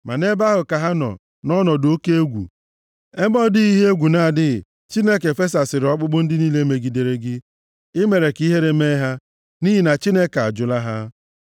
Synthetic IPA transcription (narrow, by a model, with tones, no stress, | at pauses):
ma˨ne˦ba˦ɦʊ˨ka˨ɦa˦nɔ̰˨ | nɔ˦nɔ˨do˦ke˦e˦ɡʷṵ˨ | e˦mɔ˦dɪ˦i˦ɦe˦e˦ɡʷu˨na˨dɪ˦˨ | t͡ʃi˦ne˦ke˨fe˦s̬a˨sɪ˨ɾɪ˨ɔ˦k͡pʊ˦k͡pʊ˦n̩˦dɪ˦niː˦le˦me˨ɡi˨de˨ɾe˦ɡɪ˦ | ɪ˦me˨ɾe˨ki˦ɦe˦ɾe˦me˦ɦa˦ | ni˦ɦi˨na˨t͡ʃi˦ne˦ka̰˨d͡ʒʊ˨la˦ɦa˦